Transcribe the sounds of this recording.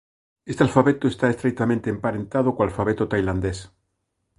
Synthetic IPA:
est̪ealfaβet̪oest̪aest̪ɾek̚t̪amẽnt̪eempaɾẽnt̪að̞okoalfaβet̪ot̪ajland̪es

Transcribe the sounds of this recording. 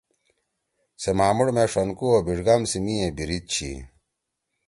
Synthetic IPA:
semaːmuɽmeʂɐnkuobiʐɡɐmsimiẽbiɾit̪̚t͡ɕʰḭ

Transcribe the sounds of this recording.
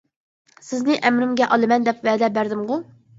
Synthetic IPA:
sɪznɪʔɛmɾɪmɡʲɛʔɑlˠɨmɛnd̪ɛpvɛːd̪ɛbæɾd̪ɪmʁʊ

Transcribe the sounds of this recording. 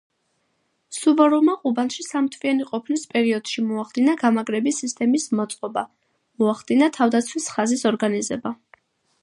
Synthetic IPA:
suvɔɾɔmaqʼubanʃisamt̪ʰvianiqʼɔpʰnispʼɛɾiɔd̪̥ʃimɔaχd̪̥inaɡamaɡɾɛbisist̪ʼɛmismɔt̪sʼqʼɔba | mɔaχd̪inat̪ʰavd̪at̪sʰwisχazisɔɾɡanizɛba

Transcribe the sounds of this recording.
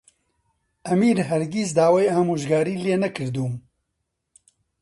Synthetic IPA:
ɐmiːɾɦɛɾɡis̬d̪aːwaːjaːmuːʒɡaːɾiːleːnɐkɨɾd̪uːm

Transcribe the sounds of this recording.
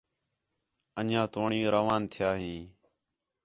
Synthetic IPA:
ənãːt̪oːɳijõːɾəʋaːnt̪ʰɪjaːɦĩː

